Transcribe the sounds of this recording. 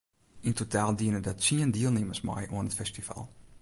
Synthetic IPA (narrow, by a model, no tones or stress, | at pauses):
intotaːlˠdiənədɔtsiəndiəlˠnɪməsma̰jʔuənətfɛstiva̰lˠ